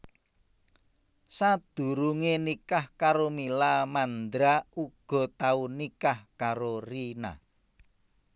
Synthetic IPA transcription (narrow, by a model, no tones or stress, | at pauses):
sad̪̥ṳɾuŋenikahkaɾomilamand̪ɾauɡ̥ɔ̤t̪aunikahkaɾorina̰